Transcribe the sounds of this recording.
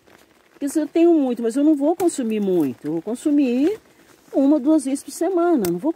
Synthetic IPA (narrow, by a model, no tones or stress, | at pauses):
kɛzeewt̪ẽɲʊmũj̃t̪ʊmɐzewnɐ̃w̃vowkõsumiɾmũj̃t̪ʊewvowkõsumi | ũmɐd̪uɐzvezɪ̥spʊɾsemɐ̃nɐnɐ̃w̃vo